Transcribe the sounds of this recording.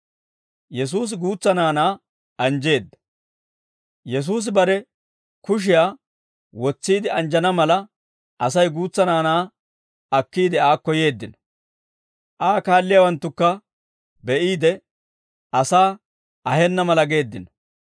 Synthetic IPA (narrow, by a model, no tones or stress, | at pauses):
jɛs̬uːs̬ɡuːt͡sːɐnaːnaː | ɐnd͡ʒe̞ːd̪ːɐ̥ | jɛs̬uːs̬ɪbɐɾɛ | kʊʃ̬ɪjaː | wɔt͡sːiːd̪ɪɐnd͡ʒɐnɐmɐlɐ | ʔɐsɐjɡuːt͡sːɐnaːnaː | ɐkːiːd̪ɪaːkːɔje̞ːd̪ːɪnɐ̥ | ʔaːkaːlːɪjawɐnt̪ːʊkːɐ | bɛʔiːd̪ɛ | ɐsaː | ɐhɛnːɐmɐlɐɡe̞ːd̪ːɪnɔ̥